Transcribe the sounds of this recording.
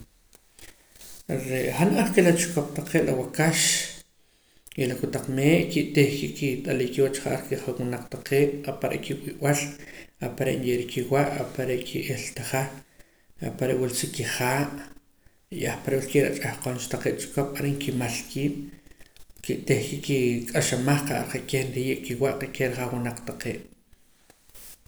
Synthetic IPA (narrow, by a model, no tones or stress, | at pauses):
ɾeʔχanʔaχkelat͡ʃu̥koɓ̥̚t̪aqeːʔɾawakaʃ | jelakut̪aq͡χmeːʔkiʔt̪eχkiʔkit̪ʼaliːkiwat͡ʃχaʔaɾkeʔχanwunaq͡χt̪aqʰeːɓ̥apaɾḛʔkʰiwiwalapaɾḛʔnjeʔɾikʰiwaʔapaɾeʔkʰiʔelt̪aχa | apaɾeʔwilsikiχaːʔ | iʔaχpaɾwalkeʔɾaʔt͡ʃʼahqoːnt͡ʃt̪aqe̥ːt͡ʃʼkoɓ̥aɾiŋkimalkʰiːɓ̥ | kiʔt̪ehkiʔkikʼaʃamaχqaʔaɾqeʔkehnɾijeʔkiwaʔqekeɾχawinaq͡χt̪aqeːɓ̥